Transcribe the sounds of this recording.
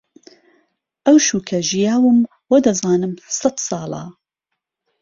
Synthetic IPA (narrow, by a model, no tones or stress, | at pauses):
ʔɐwʃuːkʰɐʒijaːwɨm | wɐd̪ɐzaːnɨmsɐt̪sɑːlˠɑ̰